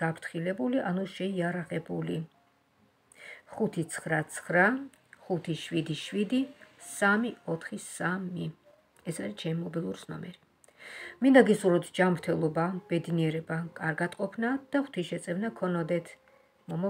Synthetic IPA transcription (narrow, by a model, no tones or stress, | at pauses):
d̥apʰɾt̪ʰχilɛbuliʔanuʃɛiaɾaʁɛbuli | χut̪ʰit̪sʰχɾat̪sʰχɾa | χut̪ʰiʃwid̪iʃwid̪isamiɔt̪ʰχisami | ɛsaɾit͡ʃʰɛmimɔbilˠuɾisnɔ̰mɛɾi | mind̪aɡisuɾɔt̪ʰd͡ʒamɾt̪ʰɛlˠɔbab̥ɛd̪niɛɾɛbakʼaɾɡat̪ʼqʼɔpʰnad̪̥aχt̪ʰiʃɛt̪sʼɛvnakʰɔnɔd̪ɛt̪ʰ | mɔmɔ